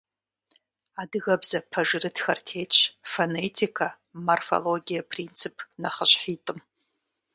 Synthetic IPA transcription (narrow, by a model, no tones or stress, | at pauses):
adɨɣɐbzɐpʰɐʐɨrɨdxɐ̰rtʰejt͡ʃʷʰfonetʰikʰa | morfo̰loɡʲijɐpʰrint͡sʰɨpʰnaχəɕħiːtʼɨm